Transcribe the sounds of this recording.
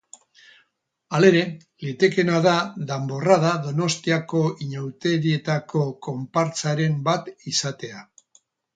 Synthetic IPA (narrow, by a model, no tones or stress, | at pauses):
ale̞ɾe̞ | let̪e̞ke̞naðaðambo̞rað̞aðo̞no̞st̪iako̞iɲawt̪e̞ɾie̞t̪ako̞ko̞mpaɾt͡saɾe̞mbat̪isat̪e̞a